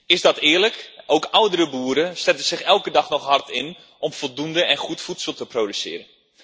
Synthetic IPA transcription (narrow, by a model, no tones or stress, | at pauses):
ɪzdɑtɪərləkowkawdəɾəbuːɾəstɛtəz̥ɪxɛlˠkədɑχnɔxɦɑrtʰɪn | ʔɔmfɔlˠdundəɛ̃nχutfutsəlˠtəprodysɪ̰ːəɾən